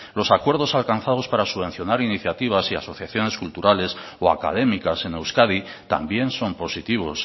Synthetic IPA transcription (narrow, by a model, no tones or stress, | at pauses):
lo̞sakwe̞ɾð̞o̞salkan̟θaðo̞spaɾasuβẽ̞n̟θjo̞naɾiniθjat̪iβ̞asiaso̞θjaθjo̞ne̞skult̪uɾale̞s | oa̰ka̰ð̞e̞mikase̞ne̞wskaði | t̪a̰mbje̞nso̞mpo̞sit̪iβ̞o̞s